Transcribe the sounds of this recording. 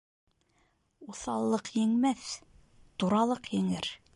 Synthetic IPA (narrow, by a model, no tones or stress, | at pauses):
uθɑlˠːɤqjɘ̆ŋmæθ | t̪uɾɑlˠɤqjɘ̆ŋɘɾ